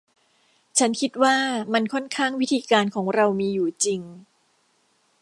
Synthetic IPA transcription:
t͡ɕʰa˦˥nkʰi˦˥t̪̚waː˥˩ma˧nkʰɔ˥˩nkʰaː˥˩ŋwi˦˥t̪ʰiː˧kaː˧nkʰɔː˩˦ŋɾa˧wmiː˧juː˨˩t͡ɕi˧ŋ

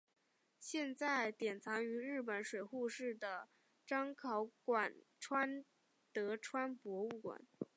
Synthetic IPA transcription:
ɕjɛ˥˧nt͡sa˥˩ɪt̪jɛ˨˩nt͡sʰɑ˧˥ŋy˧˥ɻɻ̩˥˩p̬ə˨˩nʂwe˨˩ɪxu˥˧ʂɻ̩˥˩d̪ə˩ | ʈ͡ʂɑ˥ŋkʰɑ˧˥ʊkwa˨˩n | ʈ͡ʂʰwa˥n | t̪ɤ˧˥ʈ͡ʂʰwa˥npwɔ˧˥u˥˩kwa̰˨˩˦n

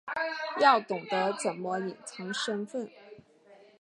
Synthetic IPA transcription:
jɑ˥˩ʊt̪ʊ˨˩ŋd̪ə˦t͡sə˨˩nmə˦i˨˩nt͡sʰɤ˧˥ŋʂə˥nfə˥˩n

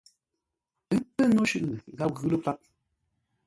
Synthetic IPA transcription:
ə˦pə˦nɔ˦ʃʉ˦ʔɣa˦p̚ɣʉ˦lə˦pa˦k̚

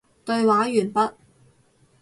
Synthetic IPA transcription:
t̪ɵ˧ɥwaː˨˥jyː˨˩npɐ˥t̚

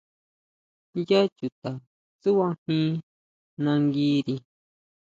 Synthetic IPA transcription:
ja˦t͡ʃu˨t̪a˨ | t͡su˦wã˦hĩ˦ | nã˧ŋɡiː˦ɾi˧

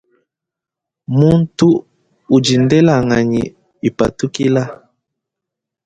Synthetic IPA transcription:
mu˦n̩˦tu˦ | u˨d͡ʒi˨ndɛ˦la˨ŋa˨ɲḭ˨ | i˨pa˨tu˦ki˦la˦

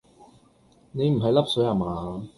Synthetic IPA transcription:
ne˨˧jm̩˨˩ɦɐ˨jlɐ˥p̚sɵ˨˥a˨˩maː˨

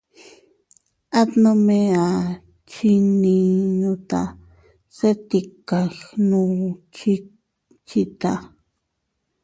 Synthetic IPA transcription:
a˦t̪nõ˧mẽ˧a˨ | t͡ʃi˧nĩ˧ɲũ˧t̪a̰˨ | se˦t̪i˧ka˨nũ˧t͡ʃi˧ | t͡ʃi˧t̪a˧

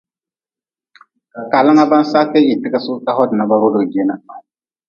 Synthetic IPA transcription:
ka˨lã˦ŋa˦ba˦n˦sa˦ke˦ji˨ti˦ka˦su˦ka˦hɔ˦dɪ˨na˨ba˨˦ɾo˦do˨d͡ʒe˦na˨

